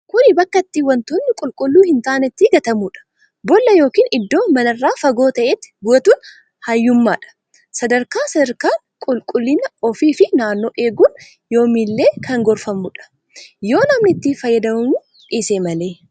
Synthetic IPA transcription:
kʊnɪbɐkːɐt̪ːiwɐnt̪ʊnːɪkʼʊlkʼʊlːuːhɪnt̪aːnɛt̪ːiːɡɐt̪ɐmuːᶑɐ̥ | bɔlːɐjo̞ːkiːnɪd̪ːo̞ːmɐnɐrːaːfɐɡo̞ːt̪ɐʔeːt̪ːɪ̥bʊɐt̪uːn | hɐjːʊmːa̰ːᶑɐ̥ | sɐd̪ɐɾkaːsɐd̪ɐɾkaː | kʼʊlkʼʊlːɪnɐɔfiːfɪnaːnːo̞ːʔeːɡun | jo̞ːmiːlːe̞ːkʰɐŋɡɔɾfɐmʊᶑɐ̥ | jo̞ːnɐmnɪt̪ːiːfɐjːɐd̪ɐmɐmu | ᶑʼiːseːmɐle̞ː

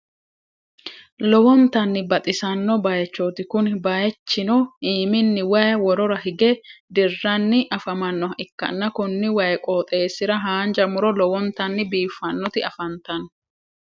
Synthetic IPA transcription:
lɔwɔnt̪ɐnːɪbɐt̪ʼɪsɐnːɔbɐjɛt͡ʃːot̪ɪkʊnbɐjɛt͡ʃːɪnɔiːmɪnːɪwɐjɐwɔɾɔɾɐhɪɡɛd̪ɪrːɐnːɪʔɐfɐmɐnːɔɐʔɪkːɐ̰nːɐkʊnːɪwɐjɛkʼoːt̪ʼe̞ːsɪɾɐɦaːnd͡ʒɐmʊɾɔlɔwɔnt̪ɐnːɪbiːfːɐnːɔt̪ɪɐfɐnt̪ɐn

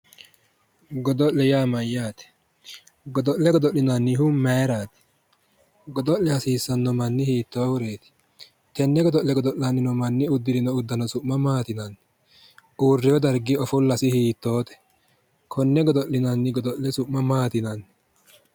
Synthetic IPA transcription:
ɡɔd̪ɔʔlɛjaːmɐjːaːt̪ɛ̥ | ɡɔd̪ɔʔlɛɡɔd̪ɔʔlːɪnɐnːɪhʊmɛːɾaːt̪ɛ̥ | ɡɔd̪ɔʔɛhɐsiːsːɐnːɔmɐnːɪhiːt̪ːoːwʊɾeːt̪ɪ̥ | t̪ɛnːɛɡɔd̪ɔʔlɛɡɔd̪ɔʔːɐnːɪnɔmɐnːɪʊd̪ːɪɾɪnɔʊd̪ːɐnɔsʊʔmɐmaːt̪ɪnɐnːɪ | ʔuːrːɪɔd̪ɐɾɡɪɔfʊlːɐsɪhiːt̪ːoːt̪ɛ̥ | kʰɔnːɛɡɔd̪ɔʔɪnɐnːɪɡɔd̪ɔʔlɛsʊʔmɐmaːt̪ɪnɐnː

